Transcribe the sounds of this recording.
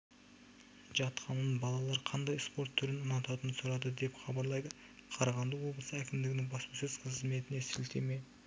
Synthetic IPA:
ʒɑt̪qʰɑnənbɑlˠɑlˠɑɾqʰɑnd̪ɑjspo̞ɾt̪ʰːʏɾɪnʊnɑt̪ɑt̪ənəsʊɾɑd̪əd̪e̞pχɑbɑɾlˠɑjd̪ə | qʰɑɾɑʁɑnd̪əwo̞blˠəsəækʲɪmd̪ɪɡʲɪnɪŋbɑspɑsəz̥qʰəzme̞t̪ɪne̞sɪlt̪ʰe̞̰me̞j̪ɪ

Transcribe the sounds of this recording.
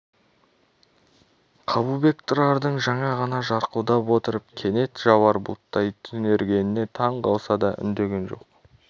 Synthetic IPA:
qʰɑbube̞kt̪ʰʊɾɑɾd̪əɴʒɑɴɑʁɑnɑʒɑɾqud̪ɑpwo̞t̪əɾəp̚kʲʰe̞ne̞t̪ʒɑwɑɾbṵt̪ːɑjt̪ʰʏne̞ɾɡʲe̞nɪne̞t̪ʰɑɴqɑlˠsɑd̪ɑʔʏ̰nd̪e̞ɡʲe̞nʒo̞̰q̚

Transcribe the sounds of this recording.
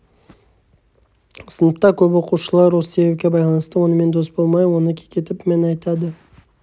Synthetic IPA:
sənəp̚t̪ɑkʲʰɵpwo̞quʃəlˠɑɾwo̞sə̥se̞be̞p̚kʲe̞bɑjlˠɑnəst̪əwo̞nəme̞nd̪o̞sbo̞lˠmɑjwo̞nəkʲʰekʲe̞t̪ɪpmenɑjt̪ɑd̪ə

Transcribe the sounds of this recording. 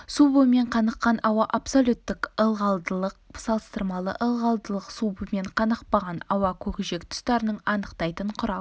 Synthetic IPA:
subəme̞ɴqʰɑnəqːɑnʔɑwɑʔapsolʲut̪ːɪkəlˠʁɑlˠd̪əlˠəq̚sɑlˠəst̪əɾmɑlˠə̰ʔəlˠʁɑlˠd̪əlˠəqsubəme̞ɴqʰɑnəqpɑʁɑnɑwɑkʲʰɵkʲɪʒe̞kt̪ʰʊ̥st̪ɑɾənəɴɑnəqt̪ɑjt̪əɴqʰʊɾɑ

